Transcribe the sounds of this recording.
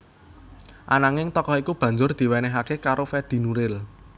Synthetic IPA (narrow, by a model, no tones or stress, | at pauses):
ʔa̰naŋɪŋt̪ɔkɔikub̥ä̤ɲd͡ʒʊrd̪̥i̤wɛnɛɦakekaɾofɛd̪̥i̤nuɾɪl